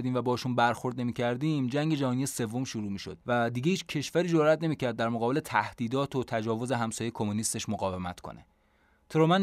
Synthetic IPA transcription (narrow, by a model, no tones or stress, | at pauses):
d̪iːmvæbɒːhʃunbæɾxo̞ɾd̪ne̞miːcʰæɾd̪iːmd͡ʒæŋɟe̞d͡ʒæhɒːnijese̞vːomʃuɾuːmiːʃo̞̰d̪̚væd̪iːɡeiːt͡ʃʰcʰe̞ʃvæɾiːd͡ʒoɾɾæt̪ne̞miːcʰæɾd̪̚ːæɾmoɣɒːbe̞let̪ʰæhd̪̥iːd̪ɒːt̪ʰo̞t̪ʰæd͡ʒɒːvo̞zeɦæmsɒːjekʰo̞munist̪e̞ʃmoɣɒːvemæt̪kʰo̰nʔḛ | t̪ʰɾomæn